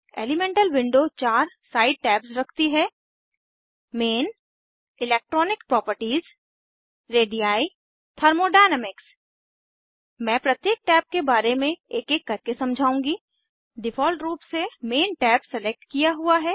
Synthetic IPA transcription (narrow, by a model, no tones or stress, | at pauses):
ḛːlɪmẽːɳʈəlʋɪ̃ɳɖot͡ʃaːɾsaːɪɖ̚ʈɛːpsɾɐkʰt̪iɦɛː | meːn | ɪleːk̚ʈɾɔːnɪkpɾɔːpəɾʈiːz | ɾeːɖijaːi | t̪ʰɐːɾmoɖaːnəmɪks | mɛ̃ːpɾɐt̪jeːk̚ʈɛːp̚kebaːɾemẽeːkeːkːɐɾkesɐ̃md͡ʒʱaːũːŋɡi | ɖɪfɔːlʈɾuːpsemeːnʈɛːpsɛlek̚ʈkijaɦuaɦɛː